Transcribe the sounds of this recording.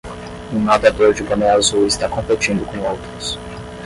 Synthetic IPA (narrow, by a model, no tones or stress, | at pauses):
ũnad̪ad̪oɾd͡ʒɪpɐ̃mẽazuɪst̪akõmpet͡ʃĩnd̪ʊkõowt̪ɾʊs